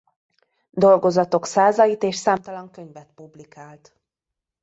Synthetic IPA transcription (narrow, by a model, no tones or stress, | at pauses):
d̪o̞lɡo̞zɒt̪o̞ksaːzɒjit̪eːʃsaːmt̪ɒlɒŋkø̞ɲvɛt̪publikaːlt̪